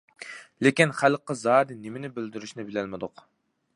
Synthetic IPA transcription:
lekʲinχælqːəzɑːd̪ɪnemɪnɪbɪld̪yɾyʃnɪbɪlɛlmɪd̪ʊq

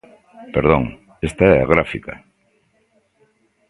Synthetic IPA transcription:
peɾð̞õŋ | est̪aɛaɣ̞ɾafika̰

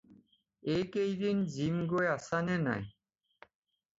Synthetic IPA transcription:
ejkejd̪ind͡ʑimɡoeasanena̰j

